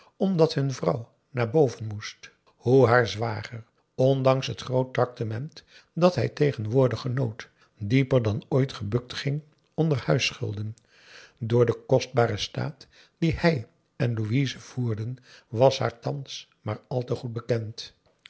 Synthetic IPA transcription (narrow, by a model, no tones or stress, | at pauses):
ɔmdɑtɦɵnvrɑw | naːɹbowvənmust | huɦaːɹzʋaːχər | ɔndɑŋsɦətχrowt̚rɑk̚tamɛnt | dɑtɦɛjtejχənʋʊːɹdəχənowt | dipəɹdɑnojtχəbɵk̚tχɪŋ | ɔndəɹhœɥsχɵ̰lˠdən | dʊːɹdəkɔsd̚baːɾəsta̰ːt | d̥ihɛj | ɛnluizəv̥uːɹdənʋɑsha̰ːɹtɑns | maːɹɑlˠtəχud̚bəkɛnt